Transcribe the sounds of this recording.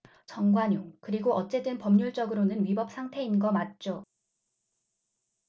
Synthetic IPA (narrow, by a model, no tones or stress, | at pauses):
t͡ɕʌŋɡwaɲuŋkɯɾiɡoʔʌt̚t͡ɕ͈e̞dɯnpʌmɲuɭt͡ɕ͈ʌɡɯɾonɯnɥibʌp̚s͈ʰaŋtʰe̞inɡʌmat̚t͡ɕ͈o